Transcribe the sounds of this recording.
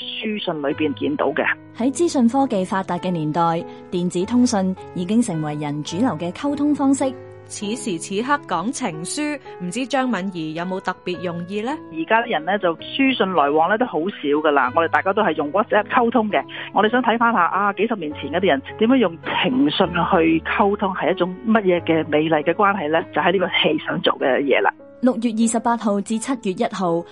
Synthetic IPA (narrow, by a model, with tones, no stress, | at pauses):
syː˥sɵ˧nlɵ˨˧ɥpiː˨˩nkiː˨˧nt̪o̰˨˥wkɛ̰˧ | hɐ˨˥jt͡siː˥sɵ˧nfɔː˥ke˨jfaː˧t̚t̪aː˨t̚kɛː˧miː˨˩nt̪ɔː˨˩j | t̪iː˨nt͡siː˨˥t̪ʰʊ˥ŋsɵ˧njiː˨˧kɪ˥ŋsɪ˨˩ŋwɐ˨˩jːɐ˨˩nt͡ʃyː˨˥lɐ˨˩wkɛː˧kʰɐ˥wt̪ʰʊ˥ŋfɔː˥ŋsɪ˥k̚ | t͡sʰiː˨˥siː˨˩t͡sʰiː˨˥ɦɐ˥kːɔː˨˥ŋt͡sʰɪ˨˩ŋsyː˥ | m̩˨˩t͡siː˥t͡ʃœː˥ŋmɐ˨˧njiː˨˩jɐ˨˧wmo˨˧wt̪ɐ˨k̚piː˨t̚jʊ˨˩ŋjiː˧lɛː˥jiː˨˩kaː˥t̪i˥jɐ˨˩nɛː˥t͡sɐ˨wsyː˥sɵ˧nlɔː˨˩jwɔː˨˧ŋlɛː˥t̪o˥who˨˥wsiː˨˥wkɐ˧la̰ː˧ŋɔː˨˧e˨˩t̪aː˨jkaː˥t̪o˥whɐ˨jʊ˨ŋwɔ˦˥t̚sɛː˥p̚kʰɐ˥wt̪ʰʊ˥ŋkɛ˧ŋɔː˨˧ɾe˨jsœː˨˥ŋt̪ʰɐ˨˥jfaː˥nhaː˧ʔaː˧ke˨˥jsɐ˨p̚miː˨˩nt͡sʰiː˨˩nkɛː˧t̪i˥jɐ˨˩nt̪iː˨˥mjœː˨˥ŋjʊ˨ŋt͡sʰɪ˨˩ŋsɵ˧nhɵ˧ɥkʰɐ˥wt̪ʰʊ˥ŋhɐ˨jɐ˥t̚t͡ʃʊ˨˥ŋmɐ˥t̚jɛː˨˧kɛː˧me˨˧jlɐ˨jkɛː˧kwaː˥nɦɐ˨jlɛ˥t͡sɐ˨whɐ˨jli˥kɔː˧he˧jsœ̰ː˨˥ŋt͡so̰˨wkɛ̰˧jɛ̰ː˨˧la̰ː˧˩ | lʊ˨k̚jyː˨t̬̚jiː˨˩sɐ˨p̚ːaː˧t̚ɦo˨˧wt͡siː˨˥t͡sʰɐ˥t̚jyː˨t̚jɐ˥t̚ɦo˨w